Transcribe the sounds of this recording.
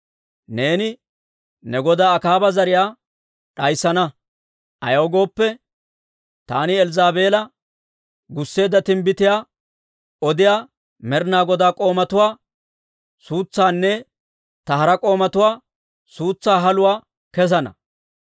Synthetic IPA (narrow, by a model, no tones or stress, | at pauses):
ne̞ːnɪ | nɛɡɔd̪aːɐkaːbɐzɐɾɪjaː | ɗɐjsːɐnɐ | ɐjoːɡo̞ːpːɛ | t̪a̰ːnɪɛlzaːbe̞ːlɐ | ɡʊsːe̞ːd̪ːɐt̪ɪmbɪt̪ɪjaː | ɔd̪ɪjaː | mɛɾnaːɡɔd̪aːkʼo̞ːmɐt̪ʊwaː | suːt͡sːaːnːɛ | t̪ɐɦɐɾɐkʼo̞ːmɐt̪ʊwaː | suːt͡sːaːɦɐlʊwaː | kɛs̬ɐnɐ̰